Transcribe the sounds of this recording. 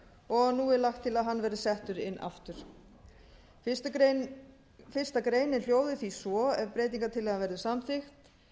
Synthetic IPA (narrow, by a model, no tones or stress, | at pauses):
ɔɣnuːɪlaxt̪ʰːɪlaðɦanːvɛːɾðʏsɛht̪ʏɾɪnːʔa̰ft̪ʏɾ̥ | fɪr̥st̪akɾeːjnɪl̥joːwðɪθisvɔɛvpɾeːjt̪̬iŋkat̪ʰɪlːɛɣavɛɾðʏsamθɪxt̪